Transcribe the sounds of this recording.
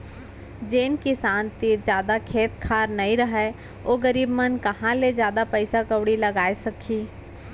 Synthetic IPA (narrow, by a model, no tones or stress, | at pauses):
d͡ʒeːnkisaːnt̪iːɾd͡ʒjaːd̪akʰeːt̪kʰaːɾnɐĩɾɐɦɛ | oːɡɐɾiːbmɐnkɐɦãled͡ʒjaːd̪apɛɪsakɐʋɽilɐɡaːesɐkʰiː